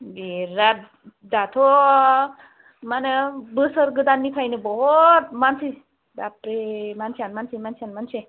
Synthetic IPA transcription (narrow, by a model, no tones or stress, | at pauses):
biɾa | d̪at̪ʰo | manəbəsəɾɡəd̪anːikʰajnebɔɦɔt̪̚mansi | dapɾemansʰianmansimansʰianmanse